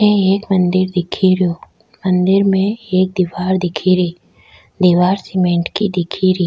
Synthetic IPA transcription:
eeːkmə̃nd̪ɪɾd̪ɪkʰiɾjoː | mə̃nd̪ɪɾmẽeːk̚d̪iːʋaːɾd̪ɪkʰiɾiː | d̪iːʋaːɾsɪmẽːɳʈkid̪ɪkʰiɾiː

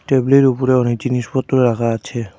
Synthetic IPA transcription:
ʈebleɾupɔɾeɔnekd͡ʑinispɔt̪ːɔɾeɾaɡaat͡ɕʰe

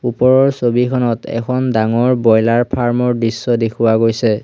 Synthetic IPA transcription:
upɔɹɔɹsobikʰɔnɔtɛ̰kʰɔndaŋɔɹbɔjlaɹpʰaɹmɔɹdɹisːɔdekʰʊwaɡojsɛ

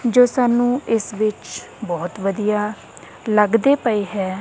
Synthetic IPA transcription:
d͡ʒoːsaːnːũːɪsʋɪt͡ʃ | bɔːt̪ʋəd̪ijaː | ləɡd̪eːpəiːɦɛː

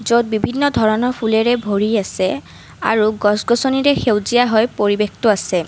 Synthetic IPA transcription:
zod̚bibʱinːɔdʱɔɹɔnɔɹpʰulɛɹɛbʱoɹiasɛ | a̰ɹuɡɔsɡɔsɔniɹɛxewzijaɦɔjpoɹibextɔasɛ

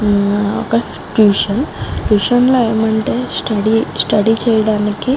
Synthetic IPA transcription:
o̰kɐ | ʈjuːʂɐnʈjuːʂɐnlɐjɐmɐɳʈesʈɐɽisʈɐɽit͡ʃɛjɐɽaːnikːi

